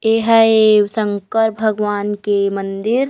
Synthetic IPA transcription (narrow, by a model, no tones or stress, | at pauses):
eɦəesə̃ŋkəɾbʱɐɡʋaːnkemənd̪ɪɾ